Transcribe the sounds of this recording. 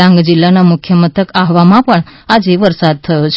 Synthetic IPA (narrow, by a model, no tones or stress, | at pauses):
ãŋɡd͡ʒɪlːanamʊkʰjəmət̪ʰəkaɦʋamãpəɳad͡ʒeʋəɾsad̪̚t̪ʰəjot͡ʃʰ